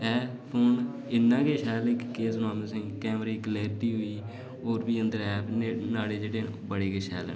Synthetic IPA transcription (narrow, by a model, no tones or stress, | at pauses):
ɛː | pʰoːn | ɪnːãːkeːʃɛːlɪkːeːsnaːməsɪ̃ŋɡkɛːmɾiːkleːɾɪʈiːɦʊiː | oːɾbiːənd̪əɾɛːpʰenaːɽeːd͡ʒeːɽeːbəɽeːkeːʃɛ̰ːl̰ː